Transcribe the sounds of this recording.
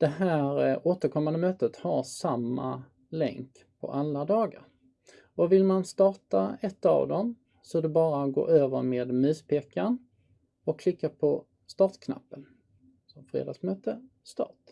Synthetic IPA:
d̪̥ɛɦæːɾoːt̪əɾkʰɔmːand̪əmøːt̪ət̪haɾsamːa | lɛ̰ŋk | pʰɔ̰ʔalːad̪ɑːɡa̰ɾ | ɔvɪlmanst̪ɑːʈaɛt̪ːa̰vd̪ɔm | sɔd̪ɛbɑːɾaɡo̰ːʔøːvəɾmeːd̪mʉ̟ːspʰeːkːaɳ | ɔkʰːlɪkːapʰɔ | st̪ɑːʈ̪kʰna̰pːən | sɔmfɾḛːd̪ɑ̰ːɡsmøːt̪ə | st̪ɑ̰ːʈ

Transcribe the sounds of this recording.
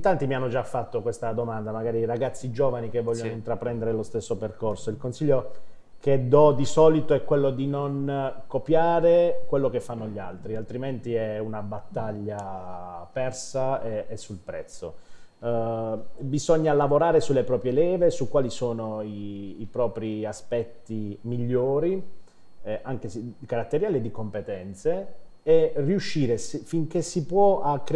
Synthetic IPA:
int̪ant̪imianːod͡ʒafːat̪ːokwest̪ad̪omand̪amaɡaːɾiɾaɡat̪sːid͡ʒoːvanikevːɔʎːonoint̪ɾapɾɛnd̪eɾelost̪esːoperkorsoilkonsiʎːo | ked̪ɔd̪isɔːlit̪oɛkːwelːod̪inonkopjaːɾekwelːokefːanːoʎːa̰lt̪ɾialt̪ɾiment̪iɛunabat̪ːaʎːa | pɛrsaeːsːulpɾɛ̰t̪sːo̰ | bizɔɲːalavoɾaːɾesulːepɾɔːpɾjelɛːvesukwaːlisoːnoiːpɾɔːpɾiaspɛt̪ːimiʎːoːɾi | ʔaŋkesikaɾat̪ːeɾjaːled̪ikompet̪ɛnt̪seː | rːiuʃːiːɾesfiŋk̟esipwɔakːɾ

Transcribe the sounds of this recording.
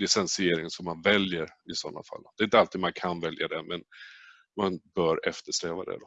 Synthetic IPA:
lɪsɛnsɪeːɾɪŋsɔmːanvɛljəɾɪsɔnːa̰fa̰lːd̪ɛɪnt̪əalt̪iːd̪mankʰanvɛljad̪ɛmɛn | manbœːɾɛft̪əʂɾɛːvad̪ɛ̰d̪ɔ

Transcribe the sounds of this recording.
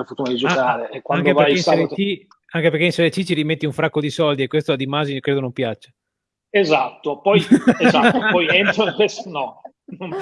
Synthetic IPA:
ɾfort̪unad̪id͡ʒoaːɾeekːwaaŋd̪eveɾjinsali | aŋkeperkeinselet͡ʃit͡ʃiɾimet̪ːiuɱfɾakːod̪isɔld̪iekːwest̪oad̪imazikɾeːd̪onõmpjat͡ʃːe̥ | ezat̪ːopɔjezat̪ːopɔjent̪ɾoiŋkesonɔ | nom

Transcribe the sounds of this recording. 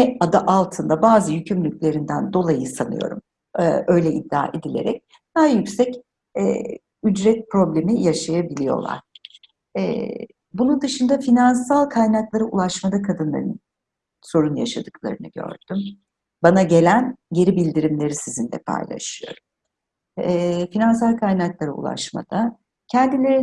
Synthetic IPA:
nɛad̪aʔalˠt̪ʰɯnd̪abaːzɯjycʰymlʲycʲlʲe̞ɾind̪ænd̪o̞lˠajɯsanɯ̰jo̞̰ɾṵmː | ʔø̞jlʲɛʔid̪ːa̰ːʔed̪ilʲe̞̰ɾɛc̚ | d̪̥ajycsɛc | ɛ̰ː | yd͡ʒɾɛt̪̚pɾo̞blʲe̞mijaʃajabilʲijo̞̰lˠa̰ɾ̥ | ɛ̰ | bunund̪ɯʃɯnd̪afinansalˠkʰajnaklˠaɾaulˠaʃmad̪akʰad̪ɯnlˠa̰ɾɯn | so̞ɾunjaʃad̪ɯklˠa̰ɾɯnɯɟø̰ɾd̪̥ym | banaɟe̞lʲænɟe̞ɾibilʲd̪iɾimlʲe̞ɾisizind̪ɛ̰pʰa̰jlˠa̰ʃɯjo̞̰ɾum | ɛfinansalˠkʰajnaklˠaɾaṵlˠa̰ʃma̰d̪̥a | cʰɛnd̪ilʲe̞ɾi

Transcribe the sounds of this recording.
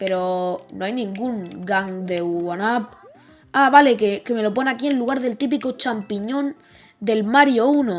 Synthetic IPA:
pe̞ɾo̞no̞ajnĩŋɡuŋɡaŋd̪e̞wanap̚ | aβale̞keke̞me̞lo̞po̞nakie̞nluɣ̞aɾðe̞lt̪ip̬iko̞t͡ʃampiɲõ̞n | d̪e̞lmaɾjouno

